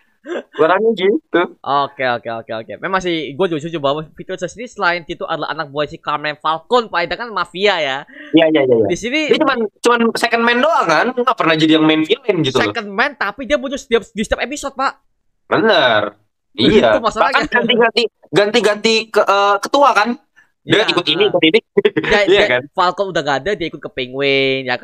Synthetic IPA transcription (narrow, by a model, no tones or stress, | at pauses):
əɾahɲaɡit̪uʔokeokeokeo̰kḛmemaŋs̬iɡuad͡ʒot͡ʃud͡ʒubawafit̪ərsəsinisəlaɪntit̪uʔa̰dala̰ɦa̰nak̚boɛsikamɛnfalkɔnpaidakanmafiajajajajaja̰disinidat͡ʃumant͡ʃumansekənmɛndoaŋkanŋaʔpərnahd͡ʒadijaŋmɛnfilɪnɡit̪usekənmɛnt̪apidiabuɲt͡ʃʊsə̥t̪iap̚sə̥disət̪iap̚episɔt̪̚paʔ | bənər | ijaumasaalakaaɡat̪iɡant̪i | ɡant̪iɡant̪ikəʔəːkət̪uakan | jaikʊt̪iniːkʊt̪iniaijakanfalkɔnudahŋaːdadiaikʊt̪̚kəpiŋwɪŋjaka